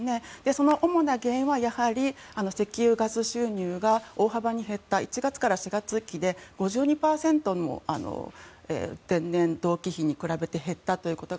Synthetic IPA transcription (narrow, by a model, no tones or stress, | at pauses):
ned̪̥e̞so̞no̞ʔomo̞naɡẽ̞ɰ̃βajahaɾʲiano̞se̞kʲiɯːɡazɨɕɨːɲ̟ɨːɡao̞ːɦabaɲ̟iɦe̞t̪ːait͡ɕiɡat͡sɨ̥kaɾaɕiɡat͡sɨkʲid̪e̞ɡ̥o̞ʑɨːɲ̟ipaːsẽ̞nt̪o̞no̞̰a̰no̰ḛːzẽ̞nːẽ̞nd̪o̞ːkʲiçiɲ̟ikɯ̟ɾabe̞t̪e̞ɦe̞t̪ːat̪o̞jiɯ̟ko̞t̪o̞